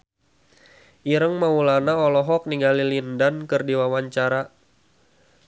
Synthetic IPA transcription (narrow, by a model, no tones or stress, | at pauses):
ʔiɾəŋmaulanaɔlɔɦɔk̚niŋɡalilindankərdiwawaɲt͡ʃaɾa